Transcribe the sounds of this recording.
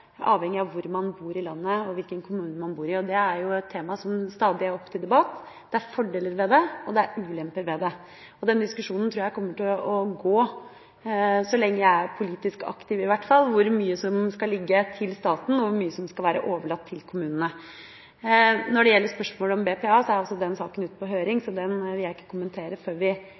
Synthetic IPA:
ɑːʋhɛŋːɪɑʋʋʊɾmɑnbuːɾɪlɑnːəɔʋɪlkənkʰʊmʉːnmɑnbuːɾɪɔd̪ɛæɾjʊɛt̪ʰːeːmɑsɔmst̪ɑːd̪ɪæɾɔpːt̪ʰɪld̪ɛbɑt̪ː | d̪̥ɛæɾfɔɖeːləɾʋɛd̪ɛɔd̪ɛæɾʉːlɛmpəɾʋɛd̪ɛ | ɔd̪ɛnd̪ɪskʉʂuːnn̩t̪ʰɾʉːjæɪkɔmːəʈɪlɔɡoː | sɔlɛŋːəjæɪæɾpʰʊliːt̪ɪskɑ̰kt̪ɪʋɪʋæʈːfɑlːʋʊɾmyːəsɔmskɑlɪɡːət̪ʰɪlst̪ɑːt̪n̩ɔʋʊɾmyːəsɔmskɑlʋæːɾə̰ʔoːʋəɭɑt̪ʰːɪlkʰʊmʉːnənə | nɔɖɛjɛlːəʂpœʂmoːlɔmbeːpʰeːɑːsɔæɾɔsɔd̪ɛnsɑːkənʉːt̪̚pʰɔɦøːɾɪŋsɔd̪ɛnʋɪljæɪɪkːə̥kʰʊmənt̪ʰeːɾəføːɾʋɪ

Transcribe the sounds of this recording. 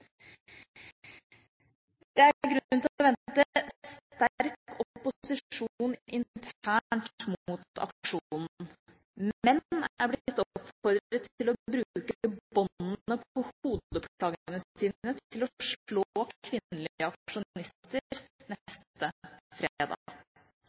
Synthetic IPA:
d̪̥ɛæɾɡɾʉnnt̪ʰɪɔʋɛntt̪əst̪æɾkɔpːʊsɪuːnɪnt̪ʰæːɳʈmut̪ɑ̰kʂuːnn̩ | mɛnæɾblɪt̪ːɔɔpfɔɾd̪ɾət̪ːɪlɔbɾʉːkəəbɔnnəpɔhuːd̪əɔpkʰlɑːɡənəsiːnət̪ʰɪlɔʂɭoːʋɪnːəlɪəɑkʂʊnnɪst̪əɾnɛst̪əfɾeːd̪ɑ̰

